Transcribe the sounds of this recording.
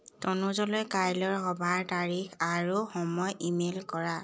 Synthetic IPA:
tɔnuzɔlɔjkajlɔɹxɔbʱaɹtaɹixaɹuxɔmɔjimelkɔɹa

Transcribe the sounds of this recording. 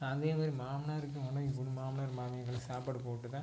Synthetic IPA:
ɐnd̪eːmaːd̪ɾimaːmnaːɾɯk̬ːɯmɐnːɐ̃ɪp̬ːɔɽɯmːaːmnaːɾmaːmɐjɐɡɐɭsaːpaːɽɯpoːʈːɯt̪ãː

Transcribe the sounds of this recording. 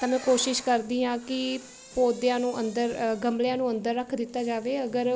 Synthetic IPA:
t̪aːmɛ̃ːkoːʃɪʃkəɾd̪iːɦãːkɪ | poːd̪jãːnũːʔənd̪əɾɡəmljãːnũːə̃nd̪əɾːəkʰd̪ɪt̪ːaːd͡ʒaːʋeːəɡəɾ

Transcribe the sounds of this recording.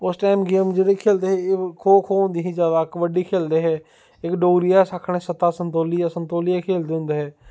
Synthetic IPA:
ʊsʈaːɪmɡeːmd͡ʒeɽekʰeːld̪eɦɛkʰoːkʰoːʊ̃nd̪iɦĩd͡ʒaːd̪aːkʋəɖiːkʰeːld̪eɦɛː | ɪkɖoːɡɾijaːsakʰəɽ̃ẽːsət̪aːsə̃nt̪oːlijasə̃nt̪oːlijakʰeːld̪eɦʊ̃nd̪eɦɛː

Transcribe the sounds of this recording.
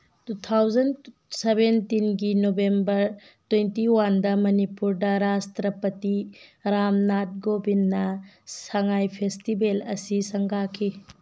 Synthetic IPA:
tutʰawd͡ʒɐn | sebentinɡinobembɐɾ | twentiwandɐmɐnipuɾdɐɾastɾɐpɐtiɾamnat̚ɡobinːɐ | sɐŋajpʰestibelɐ̰sisɐŋɡakʰi

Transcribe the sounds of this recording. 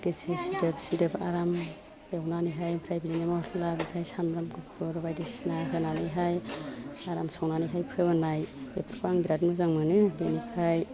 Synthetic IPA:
desisidɯpsidɯbaɾam | ewnanɯjɦajpʰɾajbilinamɔɾʰlabitʰajsamɾamkɯpʰɯɾbajdisinazananɯjɦaj | aɾamsɔwnanɯjɦajpʰɯbanajbepʰɾkaŋɡiɾadmɯzaŋmɯnɯbenipʰɾaj

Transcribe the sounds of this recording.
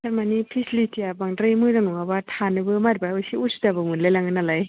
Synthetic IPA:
saɾmanipʰislitʰijabaŋdɾajmɯjɾaŋnɔŋabatʰanɯbɯmaɾbajɔjsiusdabɯmunlajlaŋɯnalaj

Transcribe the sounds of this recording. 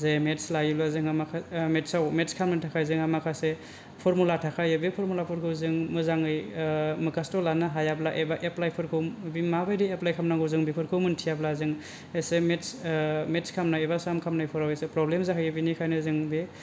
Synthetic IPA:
zemetslajulazɯŋamakʰametsawmetskʰamnatʰakʰajzɯŋhamakʰase | pʰɔɾmulatʰakʰajɯbepʰɔɾmulapʰɔɾkʰɯwzɯŋmɯzaŋɯjmɯkastɔlanaɦajablaʔebaʔeplajpʰɯɾkʰɯwbimabajdieplajkʰamnaŋɡɯwzɯŋbipʰɯɾkʰɯwmɯntʰijablazɯŋ | esemetsmetskʰamnaebasamkʰamnajpʰɔɾawesepɾɔblemzaɦʰɯjɯbinikʰajnɯzɯŋbe

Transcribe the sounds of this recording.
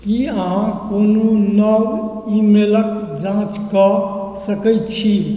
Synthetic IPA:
kiəɦãkononəw | imeləkd͡ʒãt͡ʃkə | səkəjt̪t͡ʃʰi

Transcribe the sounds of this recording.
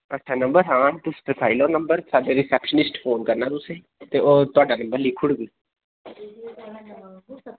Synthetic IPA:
əʈːʃʰaːnə̃mbəɾɦãːt̪ʊspepʰaːiloːnəmbəɾsaːɖeɾɪsɛːpʃənɪsʈfoːnkəɾnaːt̪ʊsẽ | t̪eːoːt̪ʊaːɖaːnəmbəɾliːkʰʊɽɡiː

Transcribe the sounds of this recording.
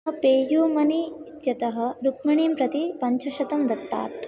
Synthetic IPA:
ɐpeːjuːmɐnit̪jɐt̪ɐɦɐ̆ɾukmɐɳiːmpɾɐt̪ipɐɲt͡ʃʰɐʃɐt̪ɐmd̪ɐt̪ːa̰ːt̪

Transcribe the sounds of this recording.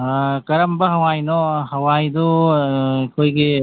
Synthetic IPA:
kɐɾɐmbɐɦɐʋaːinohɐʋaːĩd̪o | koːike

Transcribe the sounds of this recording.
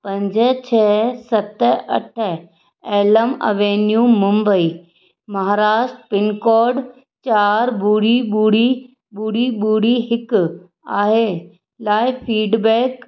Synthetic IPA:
pɐ̃ɲd͡ʑət͡ɕʰɛːsɐt̪ɐ̰ʈʰə | ɛːləmɐ̰ʋeːnjũːmʊ̃mbəiː | mɐɦaːɾaːʃʈpɪnkɔːɾɖ | t͡ɕaːɾbuːɽiɓuːɽi | ɓuːɽiɓuːɽiɦɪk | aːɦe | laːɪpʰiːɖbɛːk

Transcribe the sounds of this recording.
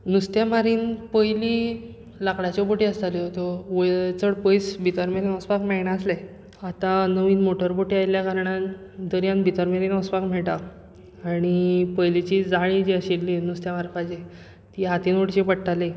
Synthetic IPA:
nust̪jamaɾiːnpəjli | lakɽat͡ɕɔpoʈiːəst̪aliɦot̪oʋəjt͡səɽpəjsbʱit̪əɾmeɾinɔspakmɛɭɳaəslɛ | at̪anəʋiːnmoʈəɾpoʈiːajljakaɾɳãn | d̪əɾjãnbʱit̪əɾmeɾinɔspakm̤ɛɭʈa | aɽ̃ipəjlit͡ɕid͡zaɭĩd͡ʑeəɕilːinust̪jamaɾpajd͡ʑe | t̪iɦat̪inoʈt͡ɕipəɽʈale

